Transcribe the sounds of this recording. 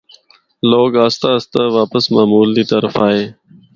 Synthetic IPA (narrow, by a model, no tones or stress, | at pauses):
loːɡaːst̪aːəst̪aːʋaːpəsmaːmuːld̪iːt̪əɾfaːɦeː